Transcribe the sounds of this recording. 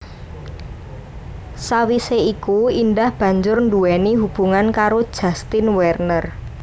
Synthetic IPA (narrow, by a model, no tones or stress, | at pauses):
sawiseikuindahb̥ä̤ɲd͡ʒʊrnduwɛniɦub̥ṳŋankaɾod̥ʒ̥ä̤st̪ɪnwɛrnər